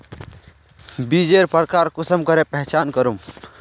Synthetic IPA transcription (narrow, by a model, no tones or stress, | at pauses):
bid͡ʒeːɾpəɾkaːɾkʊsəmkəɾepɛɦt͡ʃaːnkəɾum